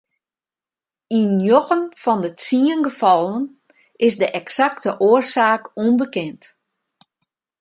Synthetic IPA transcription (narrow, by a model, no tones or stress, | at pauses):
injoxənfɔndət͡siənɡəfɔlˠən | ɪsdəʔɛksaktəʔoərsaːkunbəkɛnt